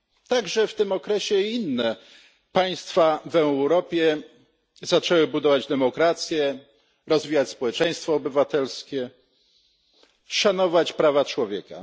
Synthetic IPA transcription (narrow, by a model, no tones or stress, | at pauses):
t̪aɡʐɛft̪ɘmɔkɾɛɕɛinːɛ | paj̃st̪favɛwɾɔpʲjɛ | zat͡ʂɛwɘbud̪ɔvad͡ʑd̪ɛmɔkɾat̪sʲjɛ | ɾɔzvʲijat͡ɕspɔwɛt͡ʂɛ̃j̃st̪fɔːbɘvat̪ɛlskʲɛ | ʂanɔvat͡ɕpɾavat͡ʂwɔvʲjɛ̰ka̰